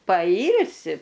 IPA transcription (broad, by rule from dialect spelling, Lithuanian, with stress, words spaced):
pɐˈiːlʲsʲɪ